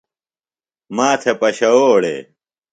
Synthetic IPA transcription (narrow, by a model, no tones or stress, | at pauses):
maːt̪ʰepɐɕɐoːɽḛ